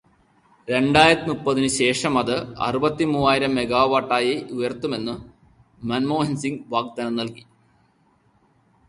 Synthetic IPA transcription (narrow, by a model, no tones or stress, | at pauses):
ɾe̞ɳɖaːjɾɐt̪ːimupːɐðinɨɕe̞ːʂɐmɐðɨɐ̰rubɐt̪ːimuːaːjiɾɐmːe̞ɡaːʋaːʈːaːjeujɐrt̪ːume̞nːɨ | mɐnmo̞ːɦinsiŋɡʋaːk̚d̪ɐnɐmnɐlki̥